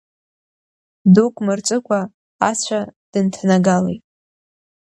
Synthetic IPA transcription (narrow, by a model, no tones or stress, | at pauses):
dukʼmɨrt͡ʃʷʼɨkʷʰʼa | at͡ɕʷʰad̥ɨntʰanaɡalḛjtʼ